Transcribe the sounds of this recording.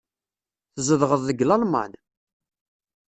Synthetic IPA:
θəzəðʁəðˤðəɡlɑlmɑ̰n

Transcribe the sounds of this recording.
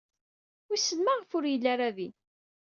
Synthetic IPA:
wisəlmaʁəfʊɾjəlːaɾaði

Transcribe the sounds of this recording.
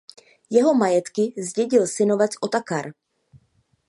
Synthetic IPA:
jɛɦo̞majɛt̪kɪzɟɛɟɪlsɪno̞vɛt͡sʔot̪akaɾ

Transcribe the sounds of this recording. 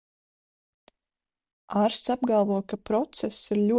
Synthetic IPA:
aɾsab̚ɡalˠvuɔkapɾɔt̪sɛsːiɾlʲuɔ

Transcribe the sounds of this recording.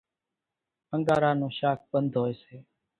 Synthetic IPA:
əŋɡaːɾaːnũːʃaːk̚ɓənd̪ʱɦoːeːseː

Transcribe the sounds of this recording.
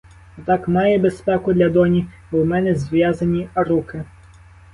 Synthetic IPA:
t̪akmajɛbɛspɛkud̪lʲɐd̪ɔnʲi | wmɛnɛzʲʋʲjazɐnʲiɐɾukɪ

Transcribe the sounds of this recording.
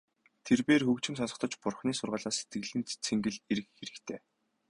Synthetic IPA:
t̪ʰerpeːrxɵkt͡ɕɪ̆ms̬ansɞ̥̆t̪ɞ̆t͡ɕpʊrχniːsʊrʁəːɮaːse̥t̪̚ɡɘ̆ɮɘ̆ːnt͡sʰeŋɡɘ̆ɮeɾɘ̆kxeɾɘ̆xt̪ʰeː

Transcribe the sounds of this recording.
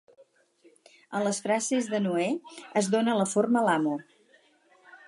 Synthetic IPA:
ənləsfɾazezðənueəzðonələforməlamo

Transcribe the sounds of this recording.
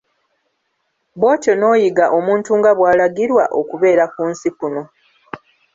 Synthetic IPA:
bo̞ːtono̞ːjiɡaʔo̞muːntuːŋɡaβwaːlaɡiɾwaʔo̞kuβe̞ːɾakuːnsipuno̞

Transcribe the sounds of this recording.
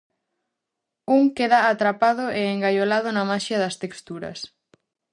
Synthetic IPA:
uŋkeðaːt̪ɾapað̞ʊeeŋɡajolaðʊnɐmaʃjɐðɐst̪ekst̪uɾɐ̰s

